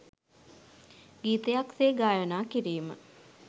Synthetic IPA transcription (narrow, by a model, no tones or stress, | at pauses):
ɡiːt̪əjakseːɡaːjənaːkiɾiːmə